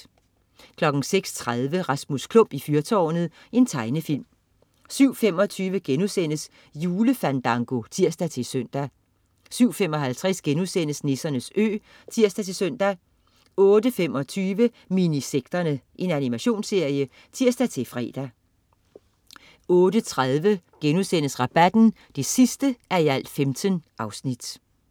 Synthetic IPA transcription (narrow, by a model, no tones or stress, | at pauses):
kʰlɒ̽ɡ̥ŋ̩seɡ̥st͡sʰʁað̞ˠʋəʁɑ̈smuskʰlɔ̽m̰b̥ifyɐt͡sʰɒːnð̩ˠ | e̝nt͡sʰɑ̈ɪnəfil̰m | syʊ̰fem̰ɒ̽t͡sʰyːʋəɡ̥enusen̰əs | juːləfænd̥ɑ̈ŋɡ̥o̝t͡sʰiɐ̰sd̥æt͡sʰe̝søn̰d̥æ | syʊ̰fem̰ɒ̽ɦælt͡sʰʁɛsɡ̥enuðˠsen̰əsne̝sɐnəsø̰ː | t͡sʰiɐ̰sd̥æt͡sʰe̝søn̰d̥æ | ɔ̽ːd̥əfemɒ̽t͡sʰyːʋə | miniseɡ̥̚d̥ɐnəʔe̝nænimæɕo̝̰ːnsːe̝ɐ̰jə | t͡sʰiɐ̰sd̥æt͡sʰe̝fʁɛ̰ːd̥æ | ɔ̽ːd̥ət͡sʰʁaðˠʋəɡ̥enusen̰əsʁɑ̈b̥æd̥n̩ | d̥e̝sisd̥əæɐiæl̰̥femd̥ʰənʔɑ̈ʊsnid̥